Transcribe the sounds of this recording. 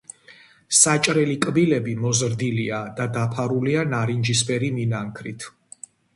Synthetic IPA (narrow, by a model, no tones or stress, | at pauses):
sat͡ʃʼɾɛlikʼbilɛbimɔzɾd̪iliad̪ad̪apʰaɾulianaɾind͡ʒisbʼɛɾiminaŋkʰɾit̪ʰ